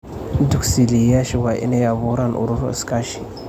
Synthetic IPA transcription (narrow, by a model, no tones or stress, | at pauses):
duksilijaʃiwaʔḭnajabuɾanʔṵɾuɾ̰skaʃi̥